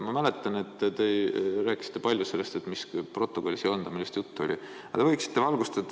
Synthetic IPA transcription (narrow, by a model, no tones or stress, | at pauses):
mɑmæle̞t̪ːˑɑne̞t̪ːt̪e̞ɾæːkːˑi̥si̥t̪ːe̞pɑlʲjuse̞lːe̞st̪e̞t̪mispro̞t̪ːˑoko̞lʲːisiond̪̥ɑmilːist̪jut̪ˑːuo̞lʲḭ | ɑ̰t̪e̞vɤjksi̥t̪ːevɑlɡ̥ust̪ed̪